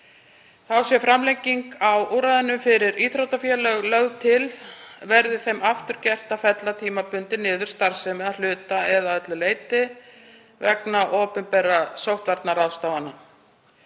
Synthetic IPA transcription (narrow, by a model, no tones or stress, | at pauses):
θawsjɛfɾamlɛjɲcːiŋkawuːɾaːðɪnʏmfɪɾɪɾiθɾowt̪afjɛlœɣlœɣðt̪ʰɪlvɛɾðɪθejmaft̪ʏɾ̥cɛr̥t̪afɛt̪lat̪ʰiːmapʏnt̪ɪnɪːðʏɾ̥st̪aɾ̥sɛmalʏːt̪aɛðaœt̪lʏleːjt̪ɪ | vɛ̰knaʔoːpʏmpɛːɾasowht̪vaɾt̪naɾawst̪aːwana